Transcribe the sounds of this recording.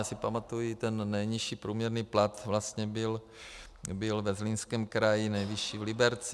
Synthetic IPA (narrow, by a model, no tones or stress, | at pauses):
asɪpamat̪ujit̪ɛnːɛjɲiʃiːpɾuːmɲɛɾniːplat̪vlast̪ɲɛbɪl | bɪlvɛzlinskɛːmkɾajɪnɛjvɪʃiːvlɪbɛɾt͡s